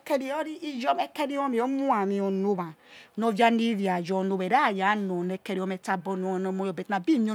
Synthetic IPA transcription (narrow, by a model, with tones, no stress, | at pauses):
ke˦ɾi˨˦ɔ˦ɾi˦i˦d͡ʒɔ˦mɛ˦ke˦ɾi˦o˦mi˨ɔ˦mu˦a˨mi˨o˨no˦βa˨no˨vja˦ni˦vi˨a˨d͡ʒɔ˨no˨βɛ˨ɾa˦˨ja˨˦no˨nɛ˨ke˦ɾi˦o˦mɛ˨ta˦bɔ˦no˨˦a˨no˨˦mo˦jɔ˨be˨ta˨bi˦˨ɲo˦